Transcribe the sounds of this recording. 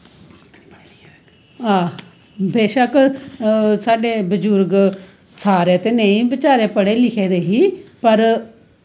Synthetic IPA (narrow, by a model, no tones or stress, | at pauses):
aː | beːʃək | saːɖeːbəd͡ʒʊɾɡ | sʰaːɾeːt̪eːneĩːbɪt͡ʃaːɾeːpəɽeːlɪkʰeːd̪eːɦiːpəɾ